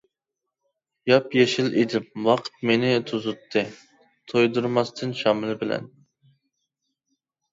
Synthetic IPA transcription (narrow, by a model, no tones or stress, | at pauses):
jɑpjeʃilʔid̪ɪmwɑqʰə̥t̪̚menɪt̪ʰuzut̪ʰːɨ | t̪ʰojd̪uɾmɑst̪ʰɨnʃɑmɨlˠɨbɪlɛ̰n